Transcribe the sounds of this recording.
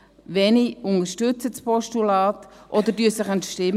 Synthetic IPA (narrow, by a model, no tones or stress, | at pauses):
ʋɛniʊnəʃtʏt͡səspɔʃtulɑːtʔɔd̪əɾdyəsəχəntʃtɪm